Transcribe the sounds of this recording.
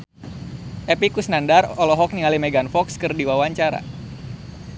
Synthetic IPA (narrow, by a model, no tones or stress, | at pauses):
ʔepikusnandarɔlɔɦɔk̚niŋalimɛɡanfɔkskɨrdiwawaɲt͡ʃaɾa̰